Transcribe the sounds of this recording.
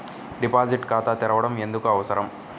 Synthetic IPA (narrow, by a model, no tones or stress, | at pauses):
ɖipaːd͡ʒiʈkaːt̪aːt̪iɾɐʋɐɽɐme̞nd̪ukuɐʋɐsɐɾɐm